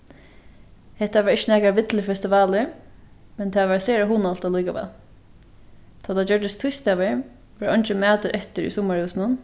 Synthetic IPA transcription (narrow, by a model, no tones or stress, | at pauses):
hɛht̪aʋaɾɪt͡ʃːənɛːkaʋɪt̪ləfɛst̪ɪʋaːlɪɹmɛnt̪ʰaːʋaɹseːɾaɦuːnalt̪alujkaʋɛ̰ːl | t̪ʰaːt̪ad͡ʒœɹd̪ɪst̪ʰʊjst̪aʋɪɹ | ʋɛɹɔjnt͡ʃɪmɛːt̪əɾʔɛht̪ɪɹḭsɔmaɹhʉwsnʊn